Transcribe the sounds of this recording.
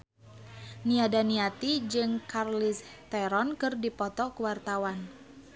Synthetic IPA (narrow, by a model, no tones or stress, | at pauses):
niadaniat̪id͡ʒɨŋkarlist̪ɛɾɔnkɨrdipɔt̪ɔkuwart̪awan